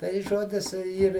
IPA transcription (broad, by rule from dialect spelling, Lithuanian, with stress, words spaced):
tɐɪ ˈʒoːdʲɪs ˈiːr